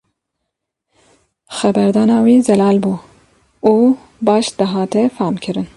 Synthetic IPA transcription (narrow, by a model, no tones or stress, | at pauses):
xɛbɛɾd̪ɑːnɑːwiːzɛlɑːlbuː | uː | bɑːʃd̪ɨɦɑːt̪ɛfɑːmkʰɨɾɨn